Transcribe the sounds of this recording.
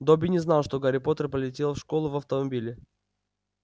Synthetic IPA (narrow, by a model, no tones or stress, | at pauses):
d̪obʲɪnʲɪznɑlˠʂt̪o̞ɡɐɾʲɪpo̞t̪ərpəlʲɪtʲe̞lˠfʂkolˠʊvɐft̪əmɐbʲilʲɪ